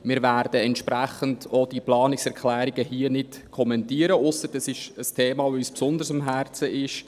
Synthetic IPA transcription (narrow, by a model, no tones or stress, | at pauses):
mɪːɾvæɾd̥əɛntʃpɾæχəndod̥iplɑːnɪksɛɾkʰlæːɾiɡəhiənɪt | kʰɔmɛntiːəɾəʊsːəɾd̥ɑsɪʃəstʰeːmɑːvoyspsʊnd̪əɾsɑmɦæɾt͡səɪʃ